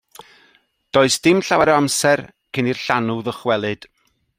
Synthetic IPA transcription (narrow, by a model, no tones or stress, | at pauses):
d̥oɨsd̥ɪmɬawɛɾəamsɛr | kʰɪnirɬanuðəχwɛlˠɨd̥